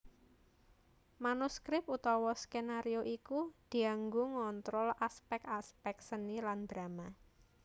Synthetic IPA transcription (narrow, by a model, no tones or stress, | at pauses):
manuskɾɪp̚ut̪ɔwɔskenaɾioʔikud̪̥i̤aŋɡuŋɔnt̪ɾɔlaspɛkaspɛksəniland̪̥ɾama